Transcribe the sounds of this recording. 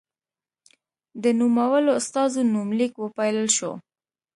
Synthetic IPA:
d̪ənumawəloʊst̪ɑzonumlikwəpɑjləlʃo̰

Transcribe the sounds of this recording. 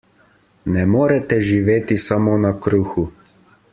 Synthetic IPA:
nɛmoːɾɛt̪ɛʒiʋeːt̪isamoːnakɾuːxu

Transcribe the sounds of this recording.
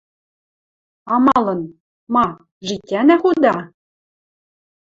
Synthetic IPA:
ɑmɑlˠɤ̆n | mɑ | ʒikʲːænæχud̪ɑ

